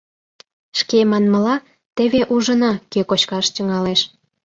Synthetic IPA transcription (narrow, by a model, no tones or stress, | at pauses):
ʃkemɑnməlɑ | t̪eβeʔuʒənɑkekot͡ɕkɑʃt̪yŋɑleʃ